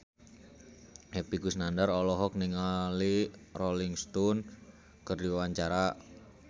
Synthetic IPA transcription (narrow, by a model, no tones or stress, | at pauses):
hepiɡusnandaɾɔlɔɦɔk̚niŋaliroliŋst̪ɔn | kərdiwaɲt͡ʃaɾa